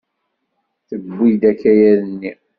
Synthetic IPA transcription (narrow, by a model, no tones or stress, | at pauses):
θəbːid̪ækːæjæðənːi